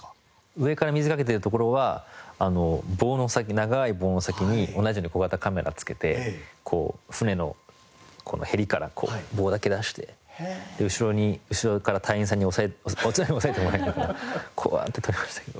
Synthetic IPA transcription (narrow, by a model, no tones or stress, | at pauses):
ɯ̟e̞kaɾamʲizɨkake̞t̪̬eɾɯ̟t̪o̞k̬o̞ɾo̞βaano̞bo̞ːno̞sak̬ʲinaɡaiboːno̞sakʲiɲ̟io̞naʑijo̞ːɲ̟ikoɡat̪akame̞ɾʔa̰t͡sɨ̥ke̞t̪e̞̰kʰo̞̰ːɸɯ̟ne̞no̞̰ | kʰo̞nohe̞ɾʲikaɾa̰kʰo̞̰ːbo̞ːd̪ake̞d̪aɕi̥t̪e̞d̪̥e̞ɯ̟ɕiɾo̞ɲ̟iɯ̟ɕiɾo̞kaɾat̪ʰaiĩs̬ãɲ̟ːiosaeot͡sɨnaɲ̟io̞sae̞t̪emo̞ɾainakanakʰo̞̰βa̰t̪ːet̪o̞ɾʲimaɕi̥t̪ḁked̪o